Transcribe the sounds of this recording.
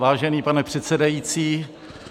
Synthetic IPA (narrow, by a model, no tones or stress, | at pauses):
vaːʒɛniːpanɛpr̝̥ɛt̪sɛdajiːt͡siː